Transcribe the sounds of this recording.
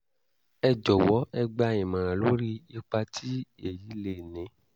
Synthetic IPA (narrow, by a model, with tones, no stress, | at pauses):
ɛ˧d͡ʒɔ˨wɔ˨˦ɛ˧ɡ͡bã˧˨ĩ˨mã˨lo˦ɾi˦i˧k͡pa˧tʰi˦e˨ji˨˦le˦˨nĩ˨˦